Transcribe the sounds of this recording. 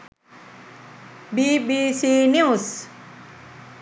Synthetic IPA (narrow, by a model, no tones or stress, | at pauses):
bibisinjiuus